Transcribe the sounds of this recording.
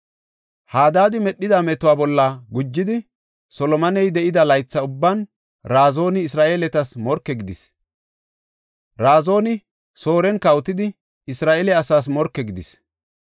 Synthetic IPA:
haːd̪aːd̪ɪmɛɗːɪd̪aːmɛt̪ʊwaːbɔlːɐɡʊd͡ʒːɪd̪ɪ | sɔlɔmɐnɛjd̪ɛʔɪd̪ɐlɐjt͡sːɐʊbːɐn | ɾaːzo̞ːnɪːsɾaːʔe̞ːlɛt̪ɐsmɔɾkːɛɡɪd̪ɪs | ɾaːzo̞ːnɪ | so̞ːɾɛnkɐwt̪ɪd̪ɪ | ɪsɾaːʔeːlɛɐsaːs̬mɔɾkːɛɡɪd̪ɪs

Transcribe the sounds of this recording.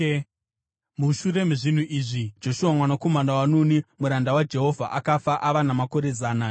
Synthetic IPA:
muʃuɾe̞muʐin̤uʔiʐid͡ʒo̞ʃuwamwanakomandawanonimuɾandawad͡ʒe̞ɦo̞vʱa̰ʔakafaʔaʋanamako̞ɾe̞zaːna

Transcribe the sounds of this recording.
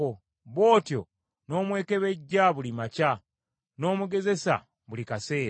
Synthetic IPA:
o | βo̞ːtjo̞̰ | no̞ːmwe̞ːke̞βe̞ɟːaβulimaca | no̞ːmuɡe̞ze̞sa̰ | βulikase̞ːɾ

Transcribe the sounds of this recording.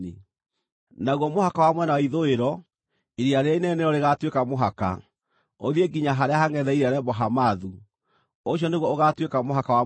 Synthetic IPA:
i | naɣwɔmohakawamwɛnawaiðoeɾɔ | iɾiaɾeainɛneɾɔɾeɣatwekamoɦaka̰ | oðieɡiɲaɦaɾeahaŋɛðɛiɾaɾɛbɔɦamaðu | oɕjɔneɣwɔoɣatwekamoɦakawa

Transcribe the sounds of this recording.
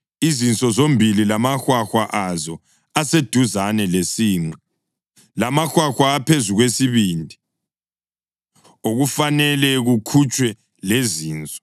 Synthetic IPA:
izint͡sʼɔzombʱililamaxwaxwaʔazɔ | ased̥ʱuzanɛlesiːŋ͡ǀɛ | lamaxwaxwaːpʰezuɣwesiβiːndʱi | oɣufanɛlɛɣukʰut͡ʃʼwɛ | leziːnt͡sʼɔ̥

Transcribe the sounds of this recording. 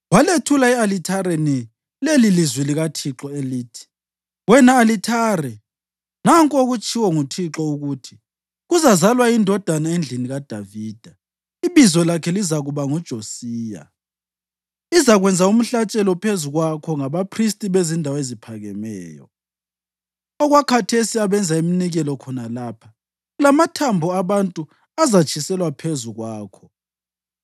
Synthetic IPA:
waletʰulaialitʰaɾeni | lelilizwiliɣatʰiǁɔeliːtʰi̥ | wɛnaːlitʰarɛ | naŋkʼoɣut͡ʃʼʰiwɔŋutʰiǁɔuɣutʰi̥ | ɣuzazalwaindʱɔd̥ʱanaend͡ɮʱiniɣad̥ʱaviːd̥ʱa | iβizɔlakʰɛlizaɣuβaŋud̥ʒ̥ʱosiːja̰ | izaɣwɛnd͡zʱaum̩ɬat͡ʃʼɛlɔpʰezuɣwakʰɔŋaβapʰristʼiβezindʱawezipʰaɣɛ̰mɛ̰ːjɔ̰ | ɔɣwakʰatʰesiaβɛnd͡zʱaiminiɣɛlɔkʰɔnalaːpʰa | ɣlamatʰambʱɔaβantʼu | azat͡ʃʼʰisɛlwapʰezuɣwaːkʰɔ̥

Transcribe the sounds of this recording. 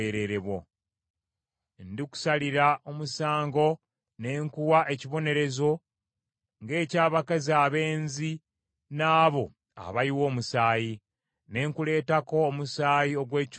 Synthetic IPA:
eɾe̞ɾeβwo̰ | ndiku̥saliɾaomusaːŋɡo̞ | ne̞ːŋkuwaʔe̞ciβo̞ne̞ɾe̞zo̞ | ŋɡe̞ːcaːβakaziaβe̞ːnzi | naːβo̞ | a̰βaiwo̞ːmusaːji | ne̞ːŋkule̞ːtako̞ːmusaːjio̞ɡwe̞ːc

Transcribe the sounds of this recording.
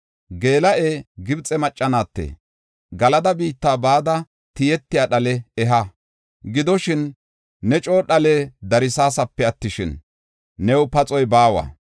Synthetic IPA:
ɡe̞ːlɐʔeːɡɪbt͡sʼɛmɐt͡ʃʼːɐnaːt̪ːḛː | ɡɐlɐd̪ɐbiːt̪ːaːbaːd̪ɐ | t̪ɪjɛt̪ːɪjaːɗɐlɛɛɦɐ | ɡɪd̪ɔʃɪnː | ɛt͡ʃʼo̞ːɗɐlɛd̪ɐɾɪsaːsɐpːɛɐt̪ːɪʃɪnː | ɛwpɐt͡sʼɔjbaːwɐ̰

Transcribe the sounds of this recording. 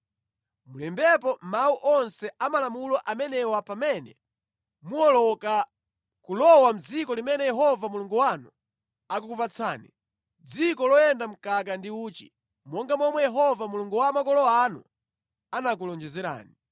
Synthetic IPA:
mulɛmbɛp̬ɔmauʔɔnsɛʔamalamulɔʔamɛnɛwapamɛnɛ | muɔlɔka | kulɔwam̩d͡zikɔlimɛnɛjɛɦɔvamuluŋɡuwanu | akukupat͡sʰaːni | d͡zikɔlɔjɛndam̩kak̬andiuːt͡ʃḭ | mɔŋɡamɔmwɛjɛɦɔvamuluŋɡuwamakɔlɔwanṵ | anak̬ulɔnd͡ʒɛzɛɾa̰ːni

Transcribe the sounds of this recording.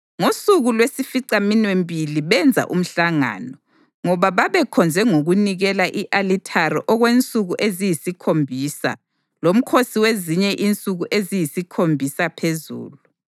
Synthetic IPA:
ŋosuɣulwesifiǀaminwembʱiliβɛnd͡zʱa̰ʔum̩ɬaŋa̰nɔ | ŋɔβaβaβɛkʰɔnd͡zʱɛŋoɣuniɣɛlaʔiʔalitʰariʔɔɣwent͡sʼuɣuʔezijisikʰombʱisa̰ | lom̩kʰosiweziɲɛʔint͡sʼuɣuʔezijisikʰombʱisapʰezṵːlu

